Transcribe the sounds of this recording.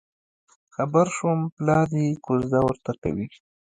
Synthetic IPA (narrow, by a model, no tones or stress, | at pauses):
xabaɾʃumplɑɾikozd̪awəɾt̪aka̰wi